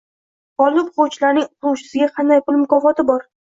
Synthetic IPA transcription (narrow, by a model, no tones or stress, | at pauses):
ɒlˠɪpχot͡ʃlaɾnɪŋʊqʊwʃɪ̥sɪɡʲaqʰɑnd̪ajpʊlˠmʊkɒfɒt̪ʰɪbɒɾ